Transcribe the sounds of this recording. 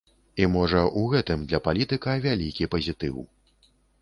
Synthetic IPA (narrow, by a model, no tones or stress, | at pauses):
imɔʐɐʔuɣɛt̪ɨmd̪lʲɐpalʲit̪ɨkɐvʲalʲikʲipɐzʲit̪ɨ̰w